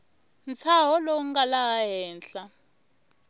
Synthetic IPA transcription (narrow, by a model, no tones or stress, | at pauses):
nt͡sʰaɦɔloŋɡalaɦaɦɛːnɬa